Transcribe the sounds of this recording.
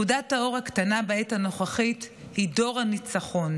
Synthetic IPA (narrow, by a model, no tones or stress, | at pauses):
udathao̞ʁhaktanabaethano̞χaχit | hido̞ʁanit͡saχo̞n